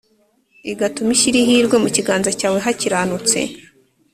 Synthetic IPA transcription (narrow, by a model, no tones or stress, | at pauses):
iɡatumiʃiɾiɦiɾɡwe̞muciɡaːnzacaːwe̞ɦaciɾaːnut͡se̞̰